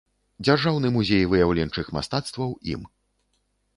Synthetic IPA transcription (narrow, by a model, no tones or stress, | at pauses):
d͡zʲarʐawnɨmuzʲejvɨjawlʲɛnt͡ʂɨxma̰st̪at̪st̪vɐwḭm